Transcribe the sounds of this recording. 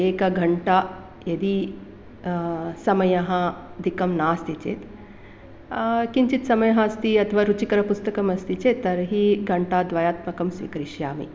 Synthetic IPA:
eːkɐɡʱɐɳʈa | jɐd̪i | sɐmɐjɐɦɐ̃d̪ʱikɐmnaːst̪it͡ʃḛːt̪ | kiɲt͡ʃit̪sɐmɐjɐɦɐ̃ɐst̪iɐt̪ʰɐʋaːɾut͡ʃikɐɾɐpust̪ɐkɐmɐst̪it͡ʃeːt̪ːɐɾɐɦiɡʱɐɳʈaːd̪ʋajaːt̪mɐkɐmsʋḭkɾiʃjaːmḭ

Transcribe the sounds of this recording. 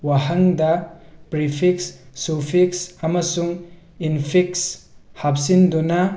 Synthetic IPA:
waɦɐŋdɐpɾipʰik̚sːupʰik̚sɐmɐsuŋ | inpʰikshap̚sindunɐ

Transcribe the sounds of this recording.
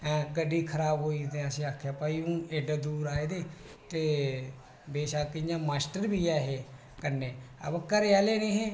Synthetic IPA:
ɛ̃ːɡəɖːiːkʰəɾaːbɦoːiːd̪eəsĩːakʰjaːpəːiũːneːɖəd̪uːɾaːeːd̪eː | t̪eː | beːʃaːkɪɲãːmaːsʈəɾbʱiːɛːɦeː | kəɾneːə̰bəkːəɾɛːleːneːɦẽː

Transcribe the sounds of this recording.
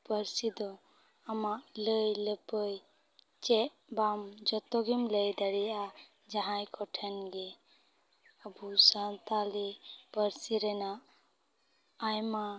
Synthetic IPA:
pəɾsid̪ɔ | amaʔləjləpəj | t͡ʃɛʔ | bamd͡ʒɔt̪ɔɡimləjd̪aɽia | d͡ʒaɦãjkɔʈʰənɡɛ | əbusãnt̪alepəɾsiɾɛnaʔ | jma

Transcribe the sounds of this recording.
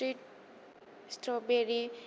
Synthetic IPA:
iʈ̚ | sʈrobeɾi

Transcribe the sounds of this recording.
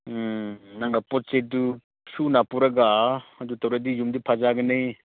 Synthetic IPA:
naŋɡapɔt̚sedu | sunapuɾɐɡaɐdutawɾadijumdipʰazaɡɐnɯj

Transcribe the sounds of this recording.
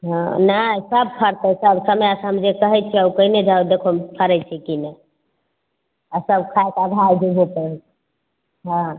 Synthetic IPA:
ɦãnasəb̚pʰəɾt̪əsəbsəməjasəmd͡ʒekəɦɛt͡ʃʰɛəukəined͡ʒawd̪ekʰopʰəɾɛt͡ʃʰɛkinə | asəbkʰaekaɡ̪ʱajbebʱopəɾ | ɦã

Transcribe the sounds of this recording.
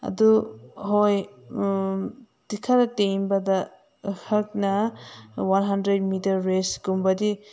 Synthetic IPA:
a̰dɔɦoj | d̥ikʰaɾatejmbada | hak̚na | wanɦandɾed̚mitɐɾːesɡumbadi

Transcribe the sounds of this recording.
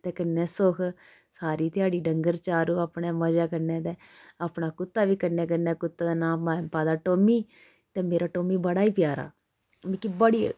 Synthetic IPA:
t̪ɛːkənːɛːsokʰ | saːɾiːt̪ɪjaːɽiːɖəŋɡəɾt͡ʃaːɾuːaːpɳɛːməd͡ʒaːkəɾnɛːt̪ɛːaːpnaːkʊt̪ːaːʋiːkəɾnɛːk̬ənɛːkʊt̪ːaːd̪aːnaːmampaːd̪aːʈoːmiː | t̪ɛːmeːɾaːʈoːmiːbəɽaːiːpɪjaːɾa̰ː | bekibəɽiː

